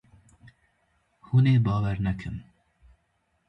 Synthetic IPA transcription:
huːneːbɑːwɛɾnɛkʰɨm

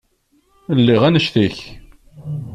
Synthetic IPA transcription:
lːiʁænəʃθiç

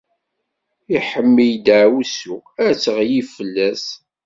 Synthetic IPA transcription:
iħəmːijd̪ʕwusuæt͡sːəʁjivfəlːæs

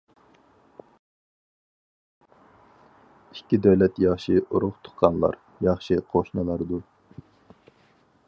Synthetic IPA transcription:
ikʲːid̪øwlɛt̪jɑχʃiʔuɾʊχt̪ʰʊ̥χqɑnlˠɑ̰ɾ | jɑχʃɨqʰoʃnɨlˠɑɾd̪u

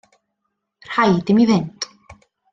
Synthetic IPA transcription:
r̥hajd̪ɪmivɪnt̪

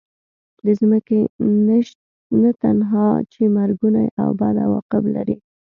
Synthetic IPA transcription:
d̪əzməke | nat̪anɦɑt͡ʃemaɾɡunajʔa̰wbɑd̪a̰wɑ̰qɪbla̰ɾi

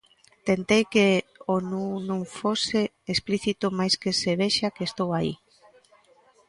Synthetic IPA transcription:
t̪ent̪ejkeonunõŋfoseː | spliθit̪ʊmajskeseβ̞eʃakeːst̪owaḭ

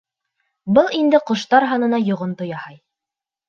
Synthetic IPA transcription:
bɤlˠind̪ɘqŏʃt̪ɑɾɦɑnɤ̆nɑjŏʁont̪ŏjɑhɑj

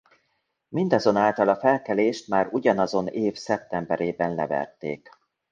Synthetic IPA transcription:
mind̪ɒzo̞naːlt̪ɒlɒfɛlkɛleːʃt̪maːɾuɟɒnɒzo̞neːfsɛp̚t̪ɛmbɛɾeːbɛnːɛvɛ̰rt̪ḛːk

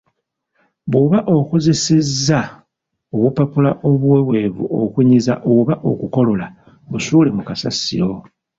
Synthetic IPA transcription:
βoβaʔo̞kozesezːa | oβupapulaʔo̞βwewe̞ːβṵo̞̰kuɲiza̰ʔoβaʔo̞̰kuko̞lo̞la | βusuːlemukasa̰sḭɾo̞

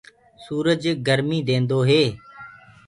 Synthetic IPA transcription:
suːɾəd͡ʒɡəɾmiːd̪ẽːnd̪oːɦeː

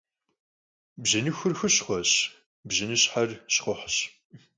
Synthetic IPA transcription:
bʑɐnɨxʊrxɨɕχʷɔɕ | bʑɪnɨɕħɐrɕχʊħɕ

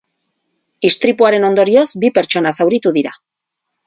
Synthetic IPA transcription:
ist̪ɾipuaɾe̞no̞nd̪o̞ɾio̞zbipe̞ɾt͡ʃo̞nasawɾit̪uðiɾa̰

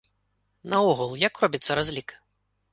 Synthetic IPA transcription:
nɐɔɣulˠjakrɔbʲit̪sːɐɾazʲlʲik

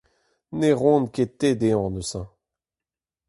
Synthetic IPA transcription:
neʁɔ̃nket̪ed̪eɑ̃nøsɛ̃

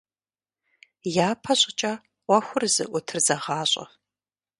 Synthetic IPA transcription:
jaːpʰɐɕʼɪt͡ʃʼa | ʔʷɔxʷʊrzɨ̰ʔʷʊtʰɨrzɐʁɑːɕʼɐ̰

